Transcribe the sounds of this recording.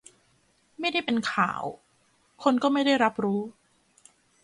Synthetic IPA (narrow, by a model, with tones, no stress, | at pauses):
ma˥˩jda˥˩jpe˧nkʰa̰ː˩˦w | kʰo˧nkɔː˥˩ma˥˩jda˥˩jɾa˦˥p̚ɾuː˦˥